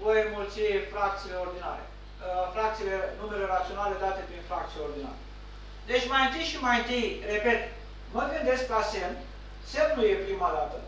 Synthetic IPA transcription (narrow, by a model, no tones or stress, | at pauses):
vojəmult̪sifɾakt̪sileo̞rd̪ina̰ɾḛ | fɾak̚t̪silenumeleɾat̪sio̞nale̞d̪at̪e̞pɾinfɾak̚t̪sileo̞rd̪ina̰ɾe | d̪e̞t͡ʃʲmajɨnt̪ɨjʃimajɨnt̪ɨjre̞pe̞t̪ | məɡɨnd̪e̞sk̚plasem | semnujepɾimad̪at̪ə